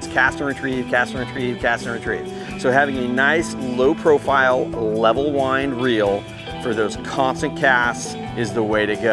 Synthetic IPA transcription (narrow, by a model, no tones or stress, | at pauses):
skʰæstə̃˞ɨ̃ntʰɹ̥i̥kʰæstə˞ɨ̃ntʰɹ̥iv̥kʰæstə̃ɨ̃tʰɹ̥ḭ̥ | soʊhævɪ̃ŋɨnaɪsloʊpʰɹ̥oʊfaɪlˠlɛvl̩ˠwãɪ̃nɹilˠ | fə˞ðoʊz̥kʰɑ̃nstɨ̃nkʰæsts | ɨzðəweɪɾɨɡo